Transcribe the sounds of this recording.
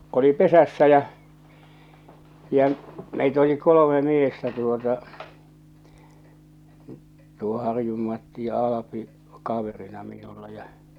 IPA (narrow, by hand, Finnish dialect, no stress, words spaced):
oli pesæsːæ jæ̠ jæ̠ meit oli kolome miestæ tuotɑ tuo hɑrjum mɑtːi jɑ ɑlɑpi kɑʋerinɑ minulːɑ jɑ